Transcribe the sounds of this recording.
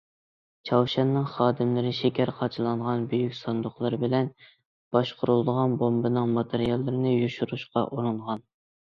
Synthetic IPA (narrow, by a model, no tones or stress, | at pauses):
t͡ʃʰɑwʃɛnːɨŋχɑːd̪ɪmlɪɾɪʃekʲʰæɾqʰɑt͡ʃʰilˠɑɴʁɑnbøjykʲsɑnd̪ʊχlˠɨɾɨbɪlɛn | b̥ɑʃqʰoɾulˠd̪əʁɑnbombɨnɨŋmɑt̪ʰeɾijɑlˠːɨɾɨnɨjuʃuɾuʃqɑʔuɾɨɴʁɑn